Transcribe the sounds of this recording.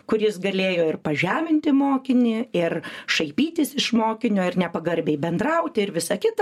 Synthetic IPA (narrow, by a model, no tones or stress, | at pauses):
kʊɾʲɪsɡɐlʲeːjoːɪrpɐʒʲæːmʲɪnʲt̪ʲɪmoːkʲɪnʲɪɪrʃɐɪpʲiːt̪ʲɪsɪʃmoːkʲɪnʲoːɪrnʲɛpɐɡɐɾʲbʲɛɪbʲɛnd̪ɾɐʊt̪ʲɪɾʋʲɪsɐkʲɪt̪ɐ